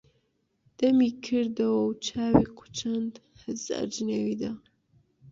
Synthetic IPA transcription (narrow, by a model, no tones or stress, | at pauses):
d̪̥ɐmikʰɨɾd̪ɐwɐwt͡ʃʰaːwiqʰu̥t͡ʃʰɐnd̪hɨza̰d͡ʒnewid̪a